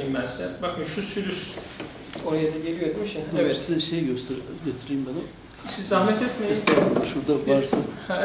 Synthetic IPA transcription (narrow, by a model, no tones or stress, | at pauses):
immæzsænbakɯnʃusyɾys | oɾajad̪iɟelʲijet̪miʃjaesizʃejɟøsɟet̪ʰiɾijimbanɯ | sizːahmɛt̪ʰɛt̪mejzst̪ɛʃuɾd̪avaɾsɯnh